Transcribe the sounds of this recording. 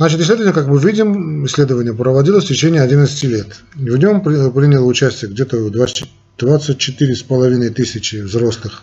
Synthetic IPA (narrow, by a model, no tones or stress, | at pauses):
znat͡ɕɪt̪ɪslʲed̪əvənʲjəkakmɨvʲidʲɪmɪsʲlʲe̞d̪əvənʲɪjəpɾəvɐdʲilˠəsʲtʲɪt͡ɕenʲɪjəɐdʲinət̪sə̥tʲɪlʲet̪ | vnʲo̞mpɾʲinʲɪlˠəʊt͡ɕæsʲtʲɪjəɡdʲet̪əvd̪va | d̪̥vat̪sɨt̚ʲt͡ɕɪt̪ɨɾʲɪspəlˠɐvʲinəjt̪ɨsʲɪt͡ɕɪvzro̞slˠɨx